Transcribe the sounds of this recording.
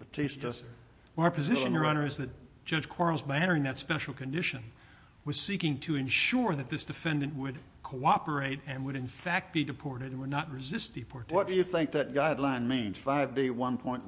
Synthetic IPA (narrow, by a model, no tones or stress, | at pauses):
bɨtʰis | wə˞pʰɨzɪʃɨ̃njə˞ɑñə˞ɨzðɨt̚d̥ʒ̥ʌ̥d͡ʒ̥kʰw̥ɑɹl̩ˠzbaɪæ̃ɾ̃ə˞ɪ̃ŋðɨtspɛʃl̩ˠkɨ̃ndɪʃɨ̃n | wʌz̥sikɪ̃ŋtʰɨɨ̃nʃʊɹðɨt̪̚ðɪsd̥ɨfɛ̃ndɨ̃nʔwɨd̚ | kʰoʊɑpə˞eɪɾɨ̃nwɨɾɨ̃nfæk̚t̚b̥idɨpʰɔɹɾɨɾɨ̃nwədⁿnət̚ɹɨzɪst̪̚ðipʰɔɹtʰwʌt̚d̥ɨjɨθɪ̃ŋk̚ðɨt̚ɡ̥aɪdˡlãɪ̃nmĩnz̥faɪvdiwʌ̃npʰɔ̃ɪ̃n